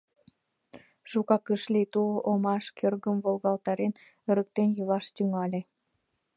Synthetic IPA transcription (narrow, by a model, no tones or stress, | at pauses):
ʃukɑkəʃlʲit̪uʔomɑʃkerɣə̆mvolˠɣɑlˠt̪ɑɾen | ə̆ɾə̆k̚t̪enjɤlɑʃt̪yŋɑlʲe